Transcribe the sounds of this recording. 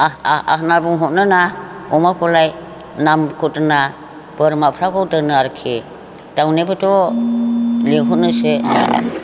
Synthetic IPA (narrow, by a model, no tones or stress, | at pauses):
aaa̰ɦnabuŋɦutnɯnaɔmakʰɔlaj | namkʰutɯna | b̥ɯɾmapʰɾakɔwdɯnɯaɾkʰe | d̥awnebɯtɔ | liɦunɯse